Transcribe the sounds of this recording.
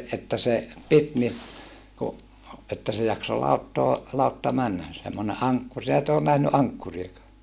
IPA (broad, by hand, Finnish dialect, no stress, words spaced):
etːæ se pit ni ku etːæ se jɑkso lɑutːoː lɑutːɑ mænːæ semːone ʔɑŋkːur sin et oːn næhny ʔɑŋkːuriekɑː